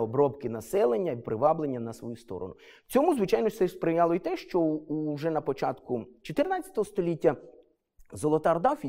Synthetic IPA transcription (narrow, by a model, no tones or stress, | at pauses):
ɔbɾɔbkɪnɐsɛlˠenʲːɐpɾɪʋɑblˠenʲːɐnɐsʋɔ̰just̪ɔ̰ɾɔ̰nʊ | t͡sʲɔmuzʋɪt͡ʃɑjnɔsɛspɾɪjɑlˠɔit̪ɛʃt͡ʃɔuʒɛnɐpɔt͡ʃɑt̪kʊt͡ʃɔt̪ɪrnat͡sʲːɐ̥t̪ɔɦɔst̪ɔlʲitʲːɐ | zɔlˠɔt̪ɑrd̪ɑwfʲ